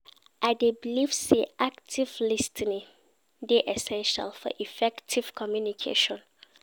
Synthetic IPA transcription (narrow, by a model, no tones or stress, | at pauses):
ʔaɪdebilifseʔak̚tʰiv̥listʰinĩ | deʔɛsɛ̃nʃa̰lfɔ̰ʔifɛktʰiv̥kʰɔmjunikʰḛʃɔ̃n